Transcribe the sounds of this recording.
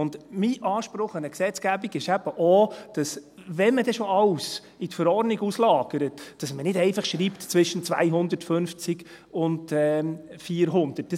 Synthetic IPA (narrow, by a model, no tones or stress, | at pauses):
ʊndmiːʔɑːʃpɾʊχənəksɛt͡sɡ̥æbiɡɪʃæb̥əʔod̥ɑsʋɛnmədɛʃoɑws | itfəɾɔrdniɡuslɑːɡ̥əɾətd̥ɑsmənɪdɛɪfɑχʃɾiːptt͡sʋɪʃənt͡sʋa̰ɪɦʊnd̪əɾtfʏnft͡sɪɡ | ʊndɛfiːɾɦʊnd̥̪ət̚də